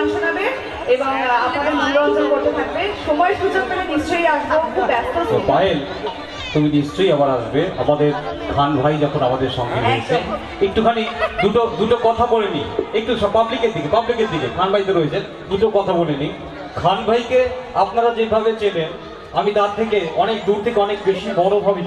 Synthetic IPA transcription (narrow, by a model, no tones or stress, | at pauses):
ʃonabe | ebaapnad̪eɾmʱanɾoad͡ʑokoɾt̪et̪ʰaɡbeʃɔmɔeʃud͡ʑok̚t̪omenist͡ɕojaʃbokʰubɛst̪ʰoopaɦel | t̪uminiʃt͡ɕojabaɾaʃbea̰mad̪eɾkʰanbʱajd͡ʑɔkʰonamad̪eɾʃɔŋɡʱeɾoet͡ɕʰe | ek̚ʈukʰanid̪uʈod̪uʈokɔt̪ʰaboleniek̚ʈuʃɔpablikeɾd̪ikepablikeɾd̪ikekʰanbʱajt̪eɾojet͡ɕʰen | d̪uʈokɔt̪ʰaboleni | kʰanbʱajkeapnaɾad͡ʑebʱaβet͡ɕelen | amit̪aɾt̪ʰekeɔnek̚d̪uɾt̪ʰekeɔnek̚beʃibɔnobʱabe